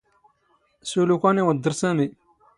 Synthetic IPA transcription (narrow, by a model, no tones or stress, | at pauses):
sulukʷanewad̪əɾsame